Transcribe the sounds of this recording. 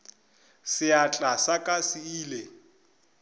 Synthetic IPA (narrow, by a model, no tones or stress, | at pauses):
sɪat͡ɬʼasakʼasɪiːle